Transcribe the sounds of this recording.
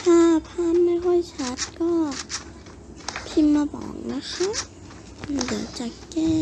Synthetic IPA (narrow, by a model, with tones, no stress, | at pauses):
t̪ʰaː˧˩pʰaː˧˥˨mːa˧˥˨ɦɔ˥˩jt͡ɕʰa˦˥t̪̚kɔː˥˩ | pʰi˧˥mːa˧bɔ̰ː˨˩˦ŋna˧˥kʰa˦˥˧ | da˨˩t͡ɕa˨˩kːɛː˧˩